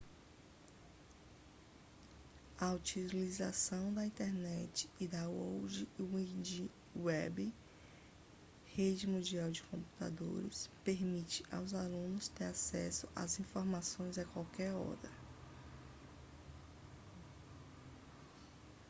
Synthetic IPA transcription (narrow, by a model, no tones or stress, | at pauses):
aut͡ʃilizasɐ̃w̃d̪ɐĩnt̪eɾnɛt͡ʃɪ̥ːd̪awowd͡ʒiid͡ʒi | wɛbi | hed͡ʒɪmũd͡ʒiawd͡ʒɪkõmpu̥t̪a̰d̪o̰ɾɪ̰speɾmit͡ʃɪ̥ʔawzalũnʊst̪eɾasɛsʊʔa̰zĩfoɾmasõj̃zakwawkɛɾɔ̰d̪ɐ